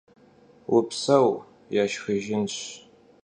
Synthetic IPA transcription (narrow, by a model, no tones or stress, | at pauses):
wʊpʰsɐw | jaːʃxɐʒɪnɕ